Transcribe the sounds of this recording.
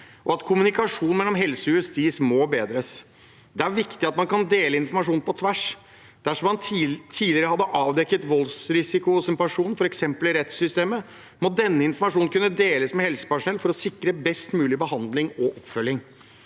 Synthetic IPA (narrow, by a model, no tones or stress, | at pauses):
ʔɔɑt̪kʰʊmʉnɪkɑʂuːnn̩mɛlːɔmɦɛlsɔjʉəst̪iːsmoːbeːd̪ɾəs | d̪ɛæɾʋɪkt̪ɪɑt̪mɑnkɑnd̪eːləɪnfɔɾmɑʂuːnpʰɔt̪ʰʋæʂ | d̪̥æʂɔmːɑnt̪ʰiːd̪lɪəɾəhɑd̪ːəʔɑːʋd̪ɛkːət̪ʋɔlsɾɪsɪkʊɔsɪmpɑʂuːnn̩fɔɾɛksɛmpəlɪɾɛt̪sʏst̪eːmə | mɔd̪ɛnːəɪnfɔɾmɑʂuːnkʉnːəd̪eːləsmɛhɛlsə̥pæʂʊnɛlfɔɾɔsɪkɾəbɛst̪mʉːlɪbəhɑnd̪lɪŋɔʔɔpːfœlːɪŋ